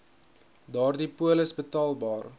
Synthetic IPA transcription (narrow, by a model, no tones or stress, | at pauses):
dɑːrdipuələsbətɑːlˠbɑːr